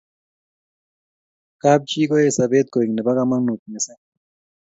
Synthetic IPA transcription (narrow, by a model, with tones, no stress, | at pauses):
kab̚t͡ʃi˦ko˦e˨sabeː˦t̪̚ko˨i˨ŋne˨ba˦kama˦ŋnu˨t̪̚me˨se˦